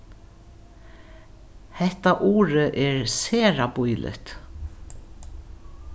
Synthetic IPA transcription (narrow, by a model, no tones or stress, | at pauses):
hɛht̪aʔuːɾəʔɛɹseːɾapujlʔɪ̰ht̪